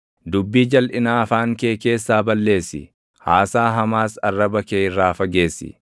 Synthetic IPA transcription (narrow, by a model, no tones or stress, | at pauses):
d̪ʊbːiːd͡ʒɐlʔɪnaːɐfaːŋkeːke̞ːsːaːbɐlːe̞ːsːɪ̰ | haːsaːɦɐmaːsɐrːɐbɐkeːɪrːaːfɐɡe̞ːsːɪ̰